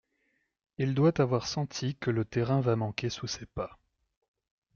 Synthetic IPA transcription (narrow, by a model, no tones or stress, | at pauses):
ild̪wat̪avwaʁsɑ̃t̪ʰikələt̪ɛʁɛ̃vamɑ̃kʲesusepa